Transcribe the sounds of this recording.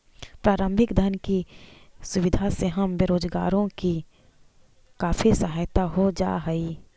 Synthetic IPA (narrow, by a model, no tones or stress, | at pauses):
pɾaːɾə̃mbʱɪkd̪ʱənkisʊʋɪd̪ʱaseɦəmbeɾoːd͡ʒɡa̰ːɾõki | kaːfʰisəɦaːjt̪aɦod͡ʒa̰ːɦɛi